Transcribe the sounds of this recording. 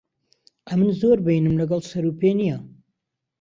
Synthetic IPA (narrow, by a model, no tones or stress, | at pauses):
ʔɐmɨnzoɾbɨjinɨmlɐɡɐlˠsɐɾupenija